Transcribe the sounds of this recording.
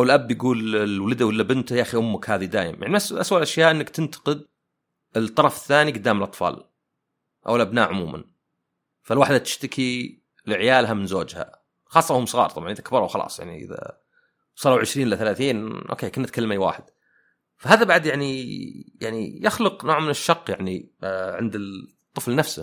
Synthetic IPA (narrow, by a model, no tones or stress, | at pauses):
ʔawɪlʔabːjɪɡuːlɪwlad̪awɪlːabɪnt̪jaʔːxiʔʊmːakhaːðid̪aːjɪmjaʕniʔasʔaswalʔaʃjaːʔɪnːakt̪ɪnt̪ɑ̥qɨd̪̚ | ɪlt̪ˤːɑɾˤɑfɪθːaːniɡʊd̪ːaːmɪlʔɑt̪ˤfɑ̰ːl | ʔa̰wɪlʔabnaːʔʕʊmuːmʔa̰n | falwaːħd̪at̪ɪ̥ʃt̪akʰi | lɪʕjaːlɦamɪnzo̰ːd͡ʒha̰ | xɑːsˤːɑhʊmsˤɨɣɑ̰ːɾˤt̪ˤɑbʕɑnʔɪðakʰbɑɾˤuwxɑlɑ̰ːsˤja̰ʕnḭʔɪ̰ða̰ | sˤɑːɾˤawʕɪʃɾiːnʔɪlːaθalaːθiːnʔo̰ːkeːkʊnːat̪̚kʰalːamaiwa̰ːħɪd̪̥ | faɦaːðabaʕd̪jaʕnijaʕnḭjɪxlʊqnoːʕmɪnɪʃːɑqːjaʕniʕɪnd̪ɪ | t̪ˤːɨflnafsa